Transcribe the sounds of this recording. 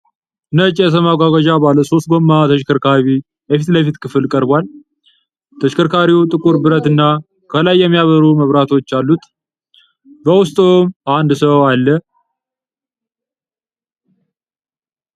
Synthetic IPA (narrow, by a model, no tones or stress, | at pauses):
ɨnət͡ʃʼɛs̬əmaɡʷaɡaʒabaləso̞st̪̚ɡo̞mːat̪ʰəʃkʰəɾkʰaβi | jəfit̪ləfit̪kʰɨfɨlkʼəɾbʷal | t̪ʰəʃkʰəɾkaɾiut̪ʼɨkʼuɾbɨɾət̪ɨnːa | kʰəlajːɛmːijaβəɾuməβɾat̪ʰo̞t͡ʃːalːut̪ | bəwʊst̪ʼomʔand̪səwalːə